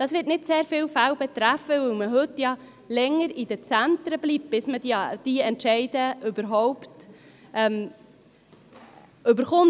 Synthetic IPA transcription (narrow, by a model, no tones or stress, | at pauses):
d̥ɑsʋɪːtnɪtseːɾfɪːwfæwbɛt̪ɾæfːəʋɵwməɦɵtjɑ | lɛŋːəɾid̥̪ət͡sænt̪ɾəbliːp̚b̥ɪsmədid̥iɛntʃɛɪdəʔʉbəɾɦɔʊptɛm | øbəɾχʊn